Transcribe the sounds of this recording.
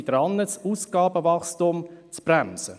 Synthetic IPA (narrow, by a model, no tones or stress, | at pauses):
d̥̪ɾɑnːəsuːsɡ̥ɑːbəvɑχstumt͡sb̥ramsə